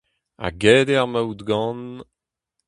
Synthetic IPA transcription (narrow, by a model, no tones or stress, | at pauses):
a̰ɡɛːd̪ɛaʁmawd̪ɡɑ̃n